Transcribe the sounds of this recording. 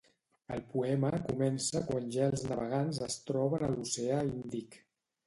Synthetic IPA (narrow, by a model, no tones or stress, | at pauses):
əlˠpuɛməkumɛnsəkwanʲʒaəlˠznəβəɣ̞anzəst̪ɾɔβənəluseaind̪ik